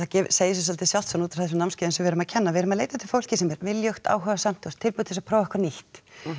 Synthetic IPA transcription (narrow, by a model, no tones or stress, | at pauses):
acɛvseːjɪs̬ɛs̬alt̪ɪsjalt̪sɔnut̪ḁɾθɛs̬ɛmnamscɪːðɪnsɛmvɛːɾʏmaðcʰɛnːavɛɾʏmaðleːjt̪at̪ʰɪlfowl̥cɪsɛmɛɾvɪljœxt̪a̰ːwɦœvasam̥t̪ʰːust̪ʰːɪlpʏt̪ʰɪsapʰɾɔːwvɛhkvaɾnihtt̪